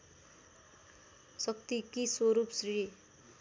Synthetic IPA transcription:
sʌk̚t̪ikiswoɾupsri

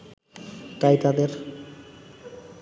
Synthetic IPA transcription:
t̪ajt̪ad̪eɾ

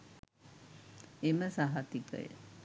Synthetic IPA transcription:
eməsaɦat̪ikə̰jə̰

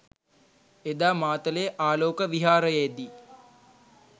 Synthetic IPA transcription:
ed̪aːmaːt̪əlejʔaːloːkəʋiɦaːɾəjejd̪i

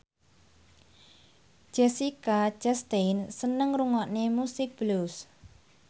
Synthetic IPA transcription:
d͡ʒ̥ɛsikḁd͡ʒɛst̪ejnsənəŋruŋɔʔnemusɪk̚b̥lus

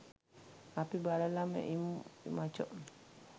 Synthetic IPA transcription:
apibalalamɛ̰ʔimat͡ʃɔ̰ʔ

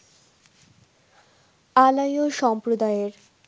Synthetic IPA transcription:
alajoʃɔmpɾod̪aeeɾ

